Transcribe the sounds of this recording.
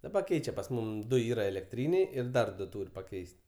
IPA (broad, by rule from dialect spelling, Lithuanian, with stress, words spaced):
dɐˈbɐ ˈkʲɛɪt͡ʃʲɛ pɐs ˈmʊm ˈdʊ ˈiːrɐ ɛlʲɛkˈtʲrʲiːnʲɛɪ ɪr ˈdɐr ˈduɔ ˈtuːrʲ pɐˈkʲɛɪsʲtʲ